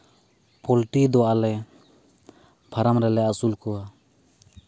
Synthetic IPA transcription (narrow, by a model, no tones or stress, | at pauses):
pɔlʈid̪ɔalɛ | bʰʱaɾamɾɛlɛasulkɔwa